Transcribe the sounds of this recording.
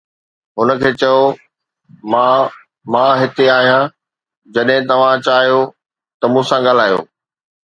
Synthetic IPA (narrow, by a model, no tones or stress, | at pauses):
ɦʊnə̆kʰeːt͡ɕɐjo | mã | mãːɦɪt̪eaːɦijã | d͡ʑɐɗɦɪ̃t̪ɐʋ̤ãt͡ɕaːɦijo | t̪ɐmũːsãɠaːl̤aːjo̰ː